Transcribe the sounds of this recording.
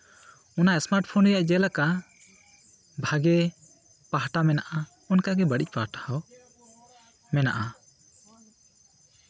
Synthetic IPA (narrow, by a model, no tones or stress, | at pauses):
unaɛsmaɾʈ̚pʰɔnɾɛjaʔd͡ʒɛlaka | bʱaɡɛ | paɦaʈamɛnaʔa | ɔnkaɡɛbaɽic̚pahʈḁhaw | mɛna̰ʔa